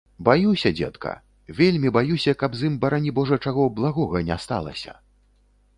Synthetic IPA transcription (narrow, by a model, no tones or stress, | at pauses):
bajusʲɐd͡zʲɛ̰t̪kʰɐ̰ | vʲelʲmʲibajusʲɐkɐbzimbɐɾanʲibɔʐɐt͡ʂaɣɔblˠaɣɔɣɐnʲɛa̰st̪a̰lˠɐ̰sʲɐ̰